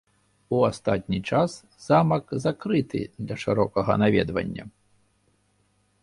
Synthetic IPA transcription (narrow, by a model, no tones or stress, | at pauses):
uast̪at̪̚ʲnʲit͡ʂas | z̥amɐkzakɾɨt̪ɨ̰d̪lʲɐʂɨɾɔkɐɣɐ̰navʲɛd̪vɐ̰nʲːɐ̰